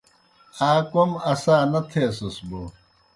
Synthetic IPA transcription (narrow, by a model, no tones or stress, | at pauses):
aːkomɐsaːnɐt̪ʰeːsɐsbo